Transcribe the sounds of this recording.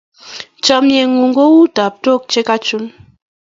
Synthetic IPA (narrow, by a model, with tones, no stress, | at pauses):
t͡ʃɔ˨mje˨ŋu˨ŋɡo˦wu˦ta˨p̚to˦˨k̚t͡ʃe˦ka˦t͡ʃu˦n